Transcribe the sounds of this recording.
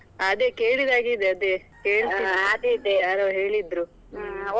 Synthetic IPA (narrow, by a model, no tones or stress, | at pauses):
ɐd̪eke̞ːɭid̪aːɡid̪eɐd̪e | keːɭsiad̪ed̪eɐɾoɦeːɭid̪ɾu